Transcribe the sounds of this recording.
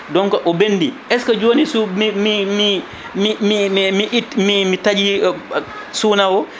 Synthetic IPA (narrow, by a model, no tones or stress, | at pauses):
dɔŋkɔʔɔbenːdiʔɛskɔd͡ʒoːnisumimimi | mimimiʔimimitad͡ʒi | suːnawɔ